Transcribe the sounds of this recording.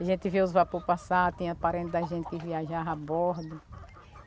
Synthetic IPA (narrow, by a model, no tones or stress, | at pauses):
aʒẽnt̪ɪviwʊzvapoɾpasat̪ĩɲɐpaɾẽt̪ɪd̪ɐʒẽnt̪ɪ̥kɪviaʒaabɔɾd̪ʊ